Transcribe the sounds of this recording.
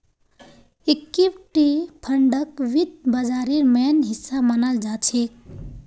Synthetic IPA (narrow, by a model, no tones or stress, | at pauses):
ikːipʈipʰəɳɖək̚ʋid̪̚bəd͡ʒaɾiɾmenɦisːamənəld͡ʒat͡ʃʰek